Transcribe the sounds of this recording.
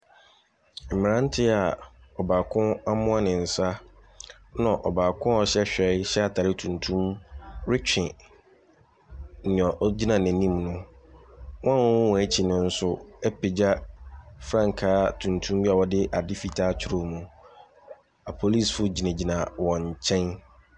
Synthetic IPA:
m̩˨mɪ̃˨nã˦n˦tʰɪ˦a˨ɔ˨baː˨kʰʊ̃˦a˦mʊ̃˦a˦nɪ̃˨n̩˨sa˦ | nã˨ʔɔ˨baː˨kʰʊ̃˦ɔ˨ɕɛ˦ɕᶣɛ˨˦ɪ˦ɕɛ˦a˨tʰa˨ɾɪ˦tʰũ˨ntʰũ˦mɾɪ˦t͡ɕᶣɪ̃˨ | nɪ̃˨ɔ˨ʔd͡ʑi˦nã˨nɪ̃˨nĩ˦mnʊ̃˦ | wɔ̃˦a˦˨wɔ̃˦wɔ̃˨æ˦t͡ɕʰi˨nʊ̃˦n̩˦sʊ˦ɛ˦pʰɪ˨d͡ʑa˦fɾã˦ŋ˨kʰaː˦tʰũ˨ntʰũ˦mbi˦a˨wɔ˦dɪ˦ʔa˨dɪ˦fi˨tʰaː˦t͡ɕʰɪ˦ɾo˦mũ˨ | a˨pʰo˨li˦˨sfʊ˦d͡ʑi˨nẽ˨d͡ʑi˨nã˨wɔ̃˨ɲ˨t͡ɕʰɛ̃˦n

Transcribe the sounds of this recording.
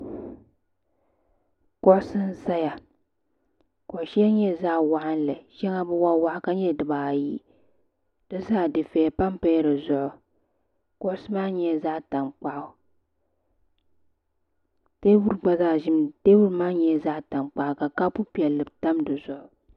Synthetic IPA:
ko˦ʔʊ˦sɨ˦n̩˦za˦ja˨ | ko˨ʃi˦a˦ɲɛ˦˨za˦ʔwa˨ʔa˦n˦lɨ˨ʃɛ˦ŋa˦bɨ˦wa˦wa˦ʔka˦ɲɛ˦dɨ˨baː˨ji˦ | d̥ɨ˦zaː˦˨dɨ˨fɛ˨pa˦mpa˦ɾɨ˨zʊ˨ʔʊ˨ | kʊ˦ʔʊ˦sɨ˦maː˦ɲɛ˦˨zaː˦ta˨mk͡pa˦ʔʊ˦ | teː˦bu˦ɾɡ͡ba˨zaː˦˨ʒɪ˦mteː˦wu˦ɾmaː˦ɲɛ˦˨za˦ʔta˨mk͡pa˨ʔka˨ka˦pu˦pi˨ɛ˨lːɨ˨bta˦mdɨ˨zʊ˨ʔʊ˨

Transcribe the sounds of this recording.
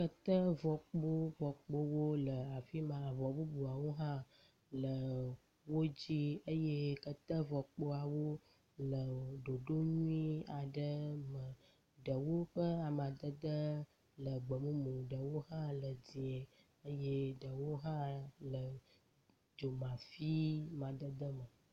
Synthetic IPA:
kə˦t̪ə˦vɔ˨k͡po˦vɔ˨k͡po˦wo˦lə˨a˨fi˦mã˨vɔ˨bu˦bu˨a˨wo˦ɦã˦ | lə˨ | wo˦d͡ʑi˦ə˦je˦kə˦t̪ə˦vɔ˨k͡po˦a˨wo˦ | lə˨ɖo˨ɖo˦ɲũ˦i˦a˨ɖə˦mə˨ | ɖə˨wo˦ɸə˦a˨m˨ã˨d̪ə˦d̪ə˦ | lə˨ɡ͡bə˨mũ˦mũ˨ɖə˨wo˦ɦã˦lə˨di˨e˨ | ə˦je˦ɖə˨wo˦ɦã˦lə˨ | d͡ʒo˨mã˨fi˦mã˨d̪ə˦d̪ə˦mə̃˨

